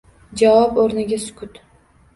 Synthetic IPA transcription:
d͡ʒavɒpoɾnɪɡʲasʊ̥kʲʰʊt̪

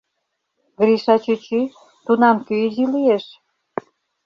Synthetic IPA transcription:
ɡɾiʃɑt͡ɕyt͡ɕy | t̪unɑmkøizilijeʃ

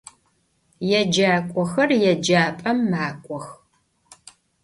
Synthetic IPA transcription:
jɛd͡ʒaːkʷʼɔxɐrjɛd͡ʒaːpʼɐmːaːkʷʼɔx

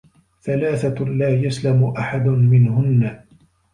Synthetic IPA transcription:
θalaːθalaːjaslamʊʔaħad̪ʊmɪnhʊnːa

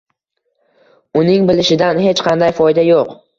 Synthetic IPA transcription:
ʊnɪŋbɪlɪʃɪd̪anhe̞t͡ʃqʰɑnd̪ajfɒjd̪ajoq

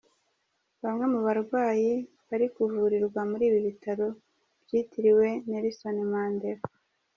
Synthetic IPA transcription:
βamŋe̞muβaɾɡwaːji | βaɾikuvuːɾiɾɡwamuɾiːβiβitaɾo̞ | b̥jiːtiɾiwe̞neɾisonemaːndeɾ

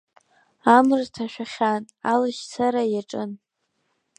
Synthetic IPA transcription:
amrtʰaʃᶣaχʲan | alɨʃsʰaɾajaʈ͡ʂʼɨn

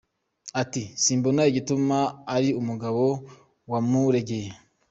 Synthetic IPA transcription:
atisiːmbonajiɡitumaːɾiumuɡaβo̞ | wamuɾe̞ɡe̞je

